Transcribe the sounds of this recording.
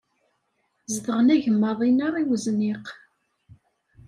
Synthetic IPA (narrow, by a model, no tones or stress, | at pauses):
zðəʁənæʝəmːəðˤinaʁiwəzniq